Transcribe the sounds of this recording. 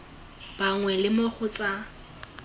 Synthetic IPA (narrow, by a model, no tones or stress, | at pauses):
b̥aŋwɛlɪmoχʊt͡sʼa